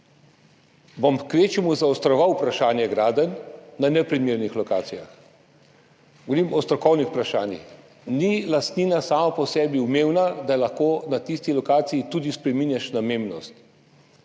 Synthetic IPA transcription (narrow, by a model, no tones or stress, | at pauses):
bɔmkʋeːt͡ʃimuzawst̪ɾɔʋawpɾaʃaːnjɛɡɾaːd̪ənːanɛpɾimiɾnixlɔka̰ːt̪sija̰x | ɡ̥ɔʋɔɾimɔst̪ɾɔkɔwnixpɾaʃa̰ːnjḭx | nilast̪niːnasaːmapɔsɛːbiumeːwnad̪aɛlaxkoːnat̪ist̪ilɔkaːt̪sijit̪uːd̪ispɾɛminjaʃnameːmnɔst̪